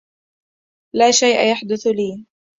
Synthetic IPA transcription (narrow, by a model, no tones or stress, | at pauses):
laːʃajʔa̰jaħd̪ʊθliː